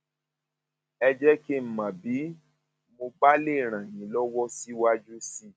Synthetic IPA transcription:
ɛ˧d͡ʒɛ˦ke˦m̩˨mã˨bi˨˦ | mo˧ɡ͡ba˦le˦˨ɾ̃ã˨jĩ˨lɔ˦wɔ˦si˦wa˦d͡ʒu˦si˦˨

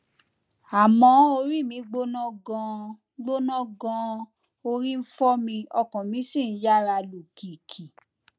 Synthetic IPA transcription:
a˨mɔ̃˨˦o˧ɾi˦˨mĩ˨˧˦ɡ͡bo˦nɔ̃˦ɡã˧ | ɡ͡bo˦nɔ̃˦ɡɔ̃˧ | o˧ɾi˦n̩˦fɔ˦mĩ˧ɔ˧kɔ̃˨mĩ˨˦sĩ˦˨n̩˦ja˦˨ɾa˧lu˨kʰi˨kʰi˨

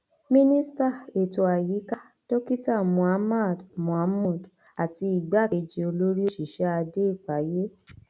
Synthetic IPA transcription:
mĩ˦nĩ˦sta˦˨e˨to˨a˨ji˨˦ka˦ | d̥o˦ki˦ta˦˨mũ˨a˦ma˦˨dmũ˨a˧˦mɔ̃˦˨d | a˨ti˧i˨ɡ͡ba˨˦˨ke˧d͡ʒi˧o˧lo˦ɾi˦o˦ʃi˨ʃɛ˨˦a˧de˦i˦˨k͡pa˨˦je˦

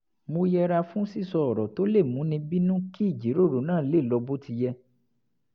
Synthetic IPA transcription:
mo˧jɛ˧ɾa˧fũ˦si˦˨sɔ˧ɔ˨ɾɔ˨to˨˦le˦˨mũ˨˦nĩ˧bi˦nũ˦ki˦˨d͡ʒi˨˦ɾo˦˨ɾo˨˦nãː˦˨˦le˦˨lɔ˧bo˦ti˧jɛ˧

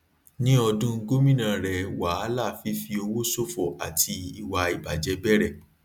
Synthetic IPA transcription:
nĩ˦ɔ˧dũ˦˧ɡo˦mĩ˦nã˨ɾɛ˨wa˨˦a˦la˦˨fi˨˦fi˧o˧wo˦so˦fɔ˨a̰˨tʰi˧i˨wa˧i˨ba˨d͡ʒɛ˧˦bɛ˦ɾɛ˦˨

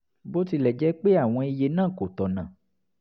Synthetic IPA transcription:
bo˦ti˧lɛ˨d͡ʒɛ˨˦k͡pe˦a˦˨w̃ɔ̃˧i˧je˧nãː˦˨ko˨tɔ˨nã˨

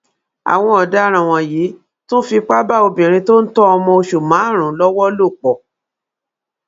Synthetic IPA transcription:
a̰˨w̃ɔ̃˧ɔ˨da˨˦ɾ̃ã˨w̃ɔ̃˨jiː˨˦ | tũ˦fi˧k͡pa˦ba˦˨o˧bĩ˨ɾ̃ĩ˧to˦n̩˦tɔ˦ɔ˧mɔ̃˧o˧ʃu˨mã˨˦˨ɾ̃ũ˨˦lɔ˦wɔ˦lo˦˨k͡pɔ˨

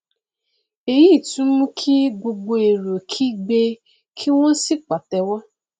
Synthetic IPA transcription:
e˨ji˦˨tu˦m̩˦kʰi˦ɡ͡bo˨ɡ͡bo˨e˨ɾo˨kʰi˦ɡ͡be˦ | kʰi˦wʷo˦n̩˦si˦k͡pa˨tɛ˨wɔ˦

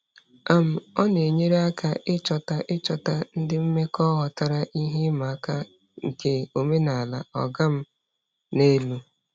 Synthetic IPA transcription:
a˦m̩˨ɔ˦ne˨ɲe˦ɾe˦a˦ka˦ʔɪ˦t͡ʃɔ˨ta˦ʔɪ˦t͡ʃɔ˨ta˦n̩˦dɪ˦m̩˦me˦kɔ˦ɣɔ˨ta˦ɾa˦ʔi˦ɦe˦ma˨a˦ka˦ | ŋ̩˨ke˨o˨me˦na˨a˨la˨ɔ˨ɡa˦m̩˦ | ne˦lu˦

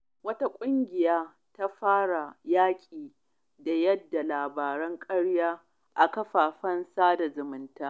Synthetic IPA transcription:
wɐ˦ta˦kʷʼʊ˦ŋɡʲɪ˨jaː˦ | ta˦ɸaː˦ɽa˨jaː˦kʲʼiː˨ | da˨jɐ˦dːa˨laː˨baː˨ɾɛ˦ŋkʼɐ˦ɽjaː˦ | ʔa˨kɐ˦ɸaː˨ɸɐ˦nsaː˦da˨zʊ˨mɪ˨ntaː˦

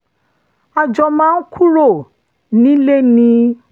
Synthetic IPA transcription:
a˨d͡ʒɔ˧˨mãː˦n̩˦kʰu˦ɾo˦˨ | nĩ˨˦le˦nĩ˧˦

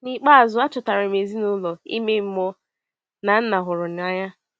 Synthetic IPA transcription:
ni˦k͡pa˦a˨zʊ˨a˦t͡ʃʊ˨ta˨ɾa˨me˨zi˦nʊ˦lɔ˨ḭ˦me˦m̩˦mɔ˦ | na˨n̩˦na˨ɦʊ˨ɾʊ˨n˨a˦ɲa˦

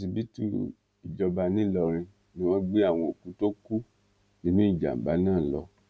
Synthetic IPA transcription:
si˧bi˦tu˦˨ | i˨d͡ʒɔ˧ba˧nĩ˦lɔ˧ɾ̃ĩ˧ | nĩ˦wɔ̃˦ɡ͡be˦a˦˨w̃ɔ̃˧o˨ku˨˦to˦ku˦ | nĩ˦nũ˦i˦˨d͡ʒa̰˨m̩˨ba̰˨˦nãː˦˨lɔ˧˦

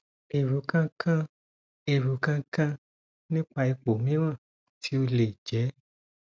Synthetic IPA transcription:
e˨ɾu˨˦kã˦kʰã˦ | e˨ɾu˨˦kã˦kã˦ | nĩ˦k͡pa˧i˧k͡po˨mĩ˦w̃ã˦˨ | tʰi˨˦o˧le˨d͡ʒɛ˨˦

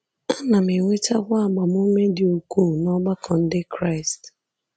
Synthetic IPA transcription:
a˦na˨me˨ŋʷe˦ta˦ɡʷa˦a˨ɡ͡ba˨m˦o˦me˦dɪ˨o˨ku˦˨nɔ˦ɡ͡ba˦kʰɔ˨n̩˦dɪ˦kɾa˦ɪ˨st

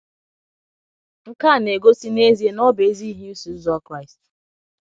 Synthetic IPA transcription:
ŋ̩˦ka˦˨ne˨ɡo˦si˦ne˦zi˦e˦nɔ˦be˨˦zi˦ɦi˦u˦su˨˦zɔ˦kɾa˦˨ɪ˨st

